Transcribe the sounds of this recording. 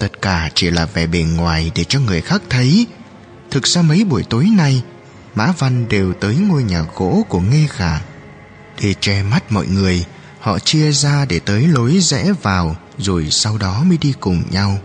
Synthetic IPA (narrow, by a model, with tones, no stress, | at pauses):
t̪ə˦˥t̚kaː˧˩t͡ɕi˧˩laː˨˩vɛ˨˩ɓe˨˩nŋwaː˨˩jɗe˧˩t͡ɕɔ˧ŋɨ˨˩əjxaː˦˥k̚t̪ʰə˨˦j | t̪ʰɨ˨˩k̚z̥aː˧mə˨˦jɓu˧˩əjt̪o˨˦jna˧j | ma̰ː˧˥va˧nɗe˨˩wt̪əː˨˦jŋo˧jɲaː˨˩ɣo̰˧˥ku˧˩əŋe˧ɣaː˧˩ | ɗe˧˩t͡ɕɛ˧˩ma˦˥t̚mɔ̰˧˨jŋɨ˨˩əj | hɔ̰˧˨t͡ɕi˧əzaː˧ɗe˧˩t̪əː˨˦jlo˨˦jzɛ̰˧˥vaː˨˩w | zo˨˩jsa˧wɗɔ˨˦mə˨˦ɗi˧kʊ˨˩ŋ͡mɲa˧w